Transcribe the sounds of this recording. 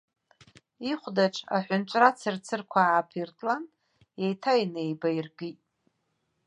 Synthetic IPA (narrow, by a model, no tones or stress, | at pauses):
iχʷdaʈ͡ʂʰʼa̰ħʷʊnt͡ʃʷʼrat͡sʰɨrt͡sʰɨrkʷʰaːpʰirtʼlan | ejtʰajnejbairɡɨtʼ